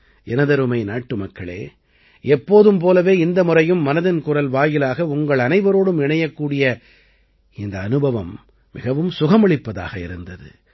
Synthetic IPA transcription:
ɛnɐðɐɾɯmɐɪnaːʈːɯmɐkːɐɭḛː | ɛpːoːðɯmpoːlɐʋeːɪnd̪ɐmʊrɐjɯmːɐnɐðɪnkʊrɐlʋaːjɪlaːɣɐʊŋɡɐɭɐnɐɪʋɐɾoːɽɯmɪɳɐjɐkːuːɽɪjɐ | ɪnd̪ɐːnɯbɐʋɐmː | ɪɣɐʋɯmsʊɣɐmɐɭɪpːɐða̰ːɣɐɪ̰ɾɯnd̪ɐðɯ̰

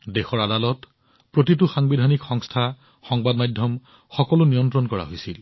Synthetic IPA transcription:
dexɔɹadalɔt | pɹotit̬uxaŋbidʱanikxɔŋstʰa | xɔŋbadmajdʱjɔm | xɔkɔlʊnijɔntɹɔnkɔɹa̰ɦojsil

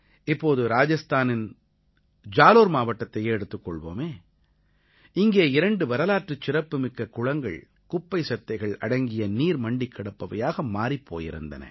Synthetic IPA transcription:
ɪpːoːðɯɾaːd͡ʒɐst̪aːnɪn | d͡ʒaːloːɾmaːʋɐʈːɐt̪ːɐjeːɛɽɯt̪ːɯkːɔɭʋo̰ːmeː | ɪŋɡeːɪɾɐɳɖɯʋɐɾɐlaːʈrɯt͡ʃːɪɾɐpːɯmɪkːɐkʊɻɐŋɡɐ̰ɭ | kʊpːɐɪsɐt̪ːɐɪɣɐɭɐ̰ɽɐŋɡɪjɐniːɾmɐɳɖɪkːɐɽɐpːɐʋɐjaːɣɐmaːɾipʰːo̰ːjɪ̰ɾɯ̰nd̪ɐ̰nɐ̰

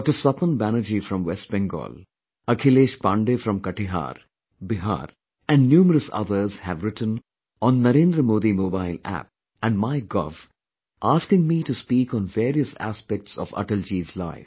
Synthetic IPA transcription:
ʈəsʋɐkə̃nbænəd͡ʒifɾɔ̃mʋɛsʈ̚bɛ̃ŋɡɔ̰ːl | ɐkʰɪleːʃpãːɳɖefɾɔ̃mkɐʈiɦa̰ːɾ | bɪɦa̰ːɾ | æ̃ɳɖnjuːməɾəsʌ̰d̪əɾzhæʋɾɪʈə̃n | ɔ̃nːɐɾẽːnd̪ɾəmoːd̪imoːbaɪlæ̰p̚ | ɛ̃ɳɖmaɪɡɔ̰v | ʔaːskɪ̃ŋmiʈuspiːkɔ̃nʋeːɾiəsæ̰spɛk̚ʈsɔ̰ʋʌ̰ʈəld͡ʒiːzla̰ɪf

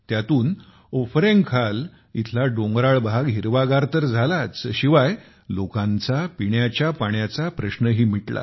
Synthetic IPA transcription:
t̪jat̪uːn | ofɾeŋɡkʰal | it̪ʰlaɖõŋɡɾaɭbaɡɦiɾʋaɡaɾt̪əɾd͡zʱalat͡sɕiʋaj | lokãnt͡sapiɳjat͡ɕjapaɳjat͡sapɾəɕnəɦiːm̤iʈla̰

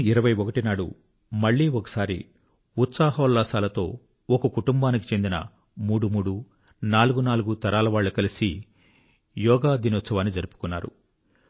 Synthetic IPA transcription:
iɾɐʋɐjɔkɐʈinaːɽṵ | mɐɭːiːɔkɐ̥saːɾḭ | ut̪saːɦɐːlːaːsaːlɐt̪o̞̰ː | ɔkɐkuʈumbaːnik̬i̥t͡ʃe̞nd̪inɐ̰ | muːɽumuːɽu | naːluɡunaːluɡut̪ɐɾaːlɐʋaːɭːɐkɐlisi | jɔːɡaːd̪inɔt̪sɐʋaːnːid͡ʒɐɾupu̥kunːa̰ːɾṵ

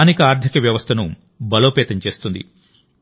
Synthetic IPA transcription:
nikɐaːɾd̪ʰʱikɐʋjɐʋɐst̪ʰɐnu | bɐlo̞ːpɛːt̪ɐɲt͡ʃe̞ːst̪und̪ḭ

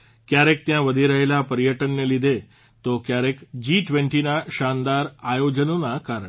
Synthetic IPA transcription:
kjaɾek̚t̪jãʋəd̪ʱiɾəɦilapəɾijəʈənːelid̪ʱe | t̪okjaɾekd͡ʑiʈʋeɳʈinaɕand̪aɾajod͡ʑənunakaɾəɳ

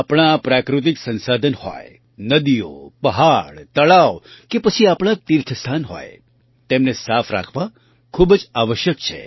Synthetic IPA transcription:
apɽ̃apɾakɾut̪̬iksə̃nsad̪ʱənhɔ̰j | nəd̪ijo̰pəɦaɭt̪əɭaʋkepət͡ʃʰiapɽ̃at̪iɾt̪ʰəst̪ʰanɦo̰j | t̪emnesafʰɾa̰kʰʋã | kʰubd͡ʒaʋəʃjəkt͡ʃʰḛ

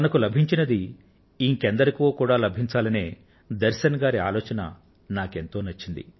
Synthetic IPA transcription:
ɐnɐkulɐbʱiɲt͡ʃinɐd̪i | iŋkend̪ɐɾikoːkuːɽaːlɐbʱiɲt͡ʃaːlɐne̞ː | d̪ɐɾʃɐnɐɡaːɾia̰ːlɔːt͡ʃɐnɐ̰ | naːke̞nt̪o̞ːnɐt͡ʃːind̪ḭ

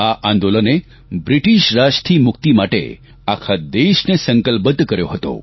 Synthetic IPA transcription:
aʔãnd̪oləne | bɾiʈiʃɾaʃt̪ʰimʊk̚t̪imaʈḛ | akʰad̪eʃnesəŋkəlpət̪kəɾjo̰ɦət̪o̰

